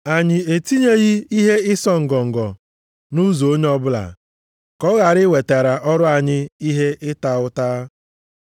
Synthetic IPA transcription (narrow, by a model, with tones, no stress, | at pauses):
a˨ɲɪ˨e˨ti˦ɲe˦ɣi˦i˦ɦe˦ɪ˦sɔ˦ŋ̩˨ɡɔ˨ŋ̩˨ɡɔ˨ | nu˦zo˨o˦ɲe˦ɔ˦bʊ˦la̰˨ | kɔ˦ɣa˨ɾɪ˦we˨ta˨ɾa˨ʔɔ˦ɾʊ˦a˨ɲɪ˦i˦ɦe˦ʔɪ˦ta˨ʊ˦taː˦